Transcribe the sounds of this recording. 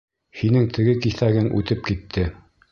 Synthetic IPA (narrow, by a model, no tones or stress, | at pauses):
hinɘŋt̪ʰɘ̆ɡɘkiθæɡɘŋʔʉ̰t̪ɘp̚kit̪ʰːɘ